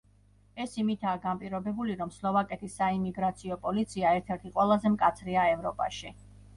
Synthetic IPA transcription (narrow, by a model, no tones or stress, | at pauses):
ɛsimit̪ʰaːɡampʼiɾɔbɛbuliɾɔmslˠɔvakʼɛt̪ʰisːaimiɡɾat̪sʰiɔpʼɔlit̪sʰiaɛɾt̪ʰɛɾt̪ʰiqʼwɛlˠazɛmkʼat̪sʰɾiaɛvɾɔpʼa̰ʃi